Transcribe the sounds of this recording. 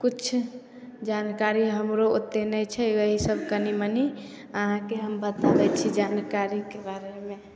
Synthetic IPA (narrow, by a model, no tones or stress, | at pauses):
kut͡ʃʰ | d͡ʒankaɾiɦəmɾoot̪ːenɛjt͡ʃʰɛəɦisəbʱkəniməni | əɦãkeɦəmbət̪abɛt͡ʃʰid͡ʒankaɾikebaɾeme